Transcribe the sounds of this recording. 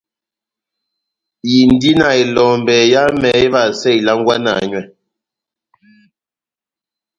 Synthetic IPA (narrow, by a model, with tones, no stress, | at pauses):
ji˨n˦di˦na˨e˨lɔ˨mbɛ˨ja˦mɛ˨e˦βa˨sɛ˦˨jla˦ŋ˦ɡwa˦na̰˨ɲwɛ˦˨